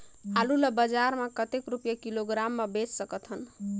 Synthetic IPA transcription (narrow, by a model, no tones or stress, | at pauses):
ɦaluləbəd͡ʒaɾmakət̪ekɾupjakiloɡɾamːebessəkət̪ɦən